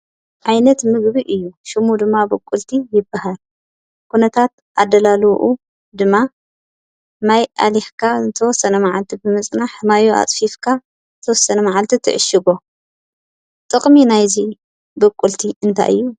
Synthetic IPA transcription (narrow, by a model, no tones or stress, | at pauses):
ʕajnɐt̪mɨɡβiʔɨjːuʃɨmud̪ɨmːabɐkʼːult̪ʰijɪbːahal | kʰunɐt̪ʰat̪ | ʔad̪ːɐlaluʔu | d̪ɨmːa | majʔa̰liħkʰazɨt̪ʰɐwɔsːɐnɐmaʕalt̪ʰibɨmɨt͡sʼnaħmajoa̰t̪ʼfifkʰa | zt̪ʰɐwɔsːɐnɐmaʕalt̪ʰit̪ʰɨ̰ʕɨʃɨɡo̞ | t̪ʼɨχʼminajzi | bɐkʼːult̪ʰiɨnt̪ʰa̰jʔɨ̰jːu